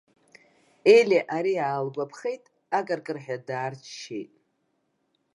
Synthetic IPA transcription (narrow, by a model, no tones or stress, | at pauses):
elʲeʔaɾiaːlɡʷapʰχe̞jtʼ | aɡʼarkʼɨrħadaːrt͡ʃʰʃḛjtʼ